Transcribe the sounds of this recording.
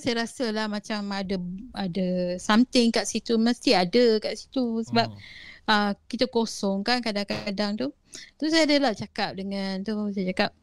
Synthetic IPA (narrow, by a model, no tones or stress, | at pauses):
sajaɾasəlahmãt͡ʃamadəadəsamt̪ɪŋkaʔsit̪uməst̪iadəkaʔsi̥t̪usəbap̚əkit̪əkosɔŋkankadaŋkaadaŋt̪u | t̪aisajadəlaht͡ʃakap̚dəŋant̪usajt͡ʃakap̚